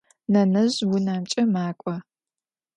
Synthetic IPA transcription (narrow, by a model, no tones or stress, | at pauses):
nɐnɐʑwʊnaːmt͡ʃʼɐmaːkʷʼɔ